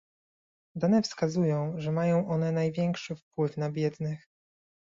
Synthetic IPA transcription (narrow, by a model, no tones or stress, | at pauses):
d̪anɛfskazujɔ̃w̃ʐɛmajɔ̃w̃ʔɔnɛnajvʲjɛŋkʂɘfpwɘfnabʲjɛd̪nɘx